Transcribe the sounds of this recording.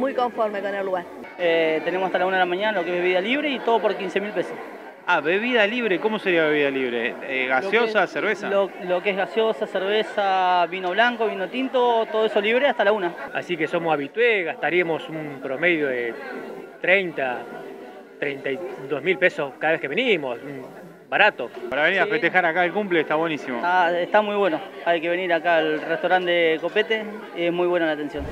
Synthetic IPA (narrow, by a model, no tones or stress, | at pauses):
mujkoɱfoɾmekonelːuɣaɾ | et̪enemosast̪alaunaðelamaɲanalokeβeiðaliβ̞ɾeit̪oðopoɾkinsemilpesos | aβeβiðaliβɾekomoseɾiaβeβiðaliβɾḛeɣasjosaseɾβesaolokeeɦɣasjosaseɾβesaβinoβlaŋkoβinot̪int̪ot̪oðoesoliβɾeast̪alaunaa̰sike̞somosaβit̪weɣast̪aɾiamo̞sumpɾomeðjoðet̪ɾejnt̪a | t̪ɾejnt̪ajd̪ozmilpesoskaðaβekeβenimosum | baɾat̪opaɾaβeniɾafet̪exaɾakaelkumplest̪aβwenisimo̰aest̪amujβweno | ajke̞βe̞niɾakaelret̪aɾand̪ekopet̪e | esmujβwenolat̪ensjon